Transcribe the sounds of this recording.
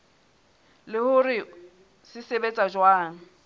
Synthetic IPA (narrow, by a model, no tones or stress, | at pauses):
lɪhʊrɪ | sɪsebet͡sʼad͡ʒwaːŋ̩